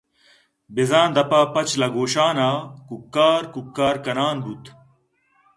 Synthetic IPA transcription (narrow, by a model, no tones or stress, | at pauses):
bizãːnd̪ɐpaːpɐt͡ɕlɐɡoːɕaːnaːkukːaːɾkukːaːɾkɐnaːnbut̪